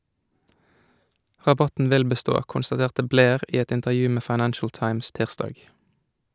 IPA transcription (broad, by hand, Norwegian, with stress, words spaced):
ʁɑˈbɑtn̩ ˈʋɪl bəˈstoː kʊnstɑˈteːʁtə ˈbleːʁ ˈiː ˈɛt ɪntəʁˈjʉː ˈmeː fɑɪˈnænʃəl ˈtɑɪms ˈtiːʁˌstɑːɡ